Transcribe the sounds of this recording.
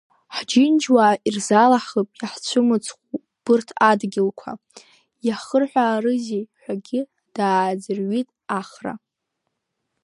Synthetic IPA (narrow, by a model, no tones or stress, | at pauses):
ħd͡ʒɪnd͡ʒwairzalaħəpʼjaħt͡ɕʷʰʊmɨt͡sʰʼχʷu | b̥ɨrtʰadɡʲɪlkʷʰa̰ | jaχərħʷᶣaːrɨzejħʷᶣaɡʲɪ | d̥aːd͡zɨrɥitʼaχra̰